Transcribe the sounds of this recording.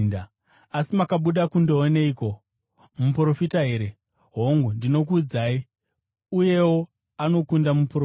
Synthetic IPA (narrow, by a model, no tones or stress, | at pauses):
nda | asimakaɓuɗakundoɦone̞iko̞ | mupuro̞fitaɦe̞ːɾe̞ | ɦo̞ŋɡundino̞k̬uːd͡zai | uje̞wo̞ | ano̞kundamupuro